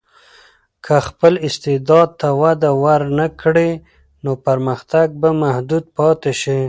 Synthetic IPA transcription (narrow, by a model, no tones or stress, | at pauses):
kʰaxpəlɪst̪ɪd̪ɑd̪̚t̪awad̪awaɾnakɽe | nopaɾməxt̪aɡ̚bamahd̪ud̪̚pɑt̪eʃi